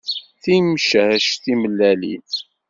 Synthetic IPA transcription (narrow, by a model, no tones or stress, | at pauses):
θimʃhʃθiməlːælḭθ